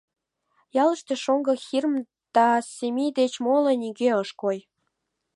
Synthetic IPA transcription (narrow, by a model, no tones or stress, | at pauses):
jɑlə̆ʃt̪ĕʃoŋɡɤ̆xirm | d̪̥ɑsemid̪et͡ɕmoləniɡeəʃkoj